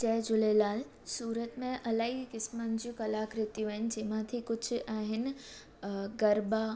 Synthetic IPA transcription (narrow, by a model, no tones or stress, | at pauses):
t͡ɕɛːd͡ʑʊlelaːl | suːɾət̪mẽʔɐlaːikɪsmand͡ʑiũkɐlaːkɾɪt̪jũaːɦɪnɪ̆d͡ʑɪɦmãt̪ʰikʊt͡ɕʰaːɦɪn̆ | ɡɐɾba